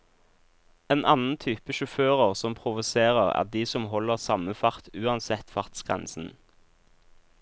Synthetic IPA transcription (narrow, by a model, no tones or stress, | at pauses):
eːnʔɑnn̩t̪ʰyːpəʃʊføːʁəʁsɔmpʰʁʊʋʊseːʁəʁæ̰ʁd̪iːsɔmɦɔləʁsɑməfɑʁt̪ʉːɑnsɛt̪fɑʁt̪sɡ̥ʁɛ̰nsn̩